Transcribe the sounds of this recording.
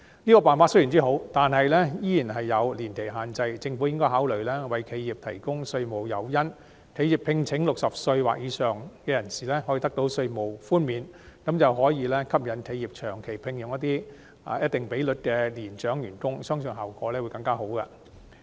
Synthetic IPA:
niː˥kɔː˧paː˨nfaː˧t̚sɥjy˨˩nt͡siː˥ɦo˨˥wt̪aː˨nɦɐ˨jlɛː˥jiː˥jiː˨˩nɦɐ˨jːɐ˨˧wliː˨˩nkʰe˨˩jɦaː˨nt͡sɐ˧jt͡sɪ˧ŋfu˨˥wjɪ˥ŋkɔː˥jhaː˨˥wlɵ˨˩ɥlɛː˥wɐ˨˩jkʰe˨˧jjiː˨˩p̚t̪ʰɐ˨˩jkʊ˥ŋsɵ˧ɥmo˨wjɐ̰˨˩wjɐ˥n | t̪ʰe˨˥jiː˨˩pʰɪ˧ŋt͡sʰɪ˨˥ŋlʊ˨k̚sɐ˨p̚sɵ˧ɥwa̰ː˨k̚jiː˨˧sœː˨ŋkɛː˧jɐ˨˩nsiː˨˩lɛː˥hɔ˨˥jiː˨˧t̪ɐ˥k̚t̪o˨˥wsɵ˧ɥmo˨˩wfuː˥nmiː˨˧nkɐ˨˥mt͡sɐ˨wɦɔː˨˥jiː˨˧lɛː˥kʰɐ˥p̚jɐ˨˧nt̪ʰe˨˧jiː˨˩p̚t͡ʃʰœː˨˩ŋkʰe˨˩jpʰɪ˧ŋjʊ˨ŋjɐ˥t̪iː˥˨˧ | jɐ˥t̚t̪ɪ˨ŋpe˨˥jlɵ˨t̚kɛː˧liː˨˩nt͡ʃœː˨˥ŋjyː˨˩nkʊ˥ŋsœː˥ŋsɵ˨nɦaː˨wkɔː˨˥lɛː˥wu˨˧jkɐ˧ŋkaː˥ɦo˨˥wkɐ̰˧

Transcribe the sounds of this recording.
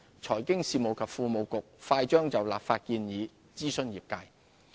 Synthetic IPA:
t͡sʰɔː˨˩jkɪ˥ŋsiː˨mo˨wkʰɐ˨p̚fuː˨˧mo˨˧wkʊ˨k̚faː˧jt͡ʃœː˥ŋt͡sɐ˨wlaː˨pfaː˧t̚kiː˧njiː˨˧ | t͡siː˥sɵ˥njiː˨p̚kaː˧j

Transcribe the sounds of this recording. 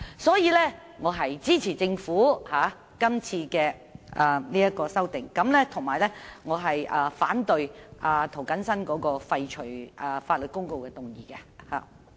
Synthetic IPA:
sɔː˨˥jiː˨˧lɛː˥ | ŋɔː˨˧ɦɐ˨jt͡siː˥t͡sʰiː˨˩t͡sɪ˧ŋfuː˨˥haː˨˥ | kɐ˥mt͡sʰiː˧kɛː˧ | ʔaː˨niː˥jɐ˥t̚kɔː˧sɐ˥wt̪ɪ˨ŋkɐ˨˧˥mlɛː˥t̪ʰʊ˨˩ŋmaː˨˩jlɛː˥ŋɔː˨˧ɦɐ˨jʔaː˨˩faː˨˥nt̪ɵ˨˧ɥʔaː˨˩t̪ʰo˨˩wkɐ˨˥nsɐ˥nkɔː˨˥kɔː˧fɐ˧jt͡ʃʰɵ˨˩ɥʔaː˨faː˧t̚lɵ˨t̚kʊ˥ŋko˧wkɛː˧t̪ʊ˨˩ŋjiː˨kɛ˧ha̰ː˨˩

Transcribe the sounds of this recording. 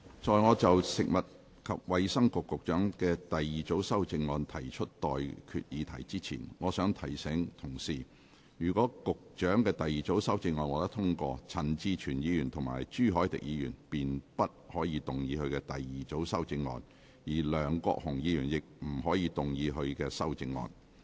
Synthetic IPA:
t͡ʃɔː˨˧jŋɔː˨˧t͡sɐ˨wsɪ˨k̚mɐ˨t̚ | kʰɐ˨p̚wɐ˨jsɐ˥ŋkʊ˨kːʊ˨k̚t͡ʃœː˨˥ŋkɛː˧t̪ɐ˨jːiː˨t͡so˨˥wsɐ˥wt͡sɪ˧ŋːɔː˧nt̪ʰɐ˨˩jt͡ʃʰɵ˥t̚t̪ɔː˨jkʰy̰˨t̚jiː˨˧t̪ʰɐ˨˩jt͡siː˥t͡sʰḭː˨˩nŋɔː˨˧sœː˨˥ŋt̪ʰɐ˨˩jsɛ˨˥ŋt̪ʰʊ˨˩ŋsiː˨˩ | jyː˨˩kʷɔː˨˥kʊ˨k̚t͡ʃœː˨˥ŋkɛː˧t̪ɐ˨jiː˨˩t͡so˨˥wsɐ˥wt͡sɪ˧ŋːɔː˧nwɐ˨t̪ɐ˥t̪ʰʊ˥ŋkɔ̰ː˧t͡sʰɐ˨˩nt͡siː˧t͡ʃʰyː˨˩njiː˨˧jyː˨˩nt̪ʰʊ˨˩ŋma̰ː˨˩jt͡ʃyː˥˩ɦɔː˨˥jt̪ɪ̰˨k̚jiː˨˧jyː˨˩npiː˨npɐ˥t̚hɔː˨˥jiː˧t̪ʊ˨ŋjiː˨˧hɵ˧ɥkɛ˧t̪ɐ˨jjiː˨t͡so˨˥wsɐ˥wt͡sɪ˧ŋːɔ̰ː˧n | jiː˨˩lœː˨˩ŋkɔ̰ː˧k̚hʊ˨˩ŋjiː˧jyː˨˩njɪ˨k̚m̩˨˩ɦɔː˨˥jiː˧t̪ʊ˨ŋjiː˨˧ɦɵ˧ɥkɛː˧sɐ˥wt͡sɪ˧ŋːɔ̰ː˧n

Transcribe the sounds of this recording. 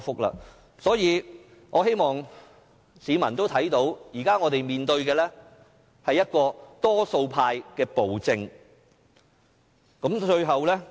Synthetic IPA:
fʊ˥k̚la̰ː˧ | sɔː˨˥jiː˨˧ | ŋʔɔː˨˧ɦe˥jmɔː˨˩ŋ | siː˨˧mɐ˨˩nt̪o˥wt̪ʰɐ˨˥jt̪o˨˥wjiː˨˩kaː˥ŋɔː˨˧t̪e˨jmiː˨˩nt̪ɵ˧ɥkɛː˧lɛː˥ | hɐ˨jːɐ˥t̚kɔː˧t̪ɔː˥so˧wpʰaː˧jkɛː˧po˨wt͡sɪ˧ŋ | kɐ˨˥mt͡ʃɵ˧ɥɦɐ˨wlɛː˥

